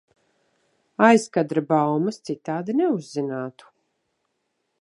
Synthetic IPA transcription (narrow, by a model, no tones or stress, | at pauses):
ajskad̪ɾabawmɐst̪sit̪aːd̪inɛuzːinaːt̪u̥